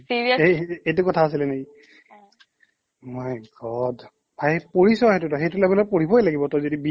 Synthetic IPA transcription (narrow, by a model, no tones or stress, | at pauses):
siɹiejtʊkɔtʰaːsilɛneki | majɡɔd | bʰʱajpoɹisɔɦɛtutɔxejtulabilɔpoɹibɔjlaɡibɔtɔjzodibi